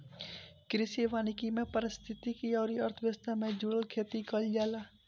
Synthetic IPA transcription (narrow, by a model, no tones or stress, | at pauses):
kɾɪsiʋaːnɪkimẽpəɾɪst̪ʰɪt̪ikiɔːɾiəɾt̪ʰəʋjəst̪ʰamẽd͡ʒuːɽəlkʰeːt̪ikəld͡ʒaːlaː